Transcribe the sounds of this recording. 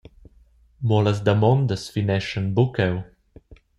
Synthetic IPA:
mɔləzd̪amɔnd̪əsfinɛʃənbukɛw

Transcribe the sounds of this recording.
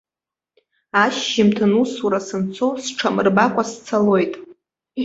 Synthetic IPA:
aʃːɪmtʰɨnusuɾasɨnt͡sʰosʈ͡ʂʰamɨrbakʷʼast͡sʰalo̞jtʼ

